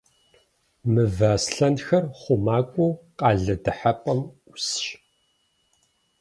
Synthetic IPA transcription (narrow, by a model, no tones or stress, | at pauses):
mɨvaːsɬɐnxɐrχʷʊmaːkʷʼʊqʼɑːɮɐdɨħapʼɐmʊsɕ